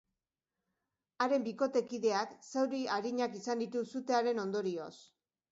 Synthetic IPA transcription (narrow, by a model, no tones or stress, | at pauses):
aɾe̞mbiko̞t̪e̞kiðe̞aksewɾiaɾiɲakisand̪it̪usut̪e̞aɾe̞no̞nd̪o̞ɾio̞s